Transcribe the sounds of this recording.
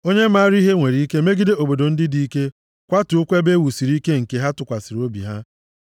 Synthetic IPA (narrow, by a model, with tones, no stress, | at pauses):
o˦ɲe˦ma˦ɾi˦ɦe˦ŋʷe˨ɾi˦i˦ke˦me˦ɡi˦de˦o˨bo˨do˨n̩˦dɪ˦di˦i˦ke˦ | kʷa˦tu˨ʊ˦kʷe˦be˦wu˨si˨ɾi˦ke˦ŋ̩˨ke˨ɦa˦tʊ˨kʷa˨si˨ɾo˦bḭ˨ɦa˦